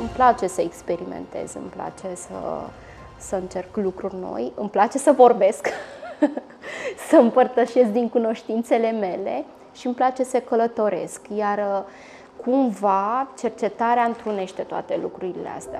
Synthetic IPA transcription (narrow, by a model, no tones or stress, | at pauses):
ɨmplat͡ʃe̞səekspe̞ɾimḛnt̪e̞̰zɨ̰mpla̰t͡ʃe̞sə̰ | səɨnt͡ʃe̞rklukɾurʲno̞̰jɨmplat͡ʃe̞səvo̞rbe̞sk | səɨmpərt̪əʃe̞s̚d̪iŋkuno̞ʃt̪int̪se̞le̞me̞le̞̰ | ʃiɨmplat͡ʃe̞səkələt̪o̞ɾe̞̰skjar | kʰumvat͡ʃe̞rt͡ʃe̞t̪aɾeaɨnt̪ɾune̞ʃt̪e̞t̪oa̰t̪e̞lukɾuɾilḛa̰st̪ea̰